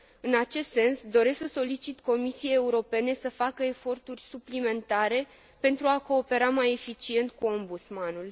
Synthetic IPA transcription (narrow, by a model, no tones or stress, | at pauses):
ɨnat͡ʃe̞st̪se̞nsd̪o̞ɾe̞sksəso̞lit͡ʃit̪ko̞misiejeuɾo̞pe̞ne̞səfakəe̞fo̞rt̪urʲsuplime̞nt̪aɾe̞ | pe̞nt̪ɾuako̞ːpe̞ɾamaje̞fit͡ʃie̞nt̪̚kuo̞mbut̪smanul